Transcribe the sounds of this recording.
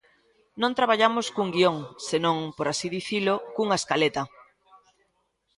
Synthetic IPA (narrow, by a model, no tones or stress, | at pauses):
nõnt̪ɾaβ̞aʎamoskuŋɡioŋsenõŋpoɾasiðiθilokuŋaeskalet̪a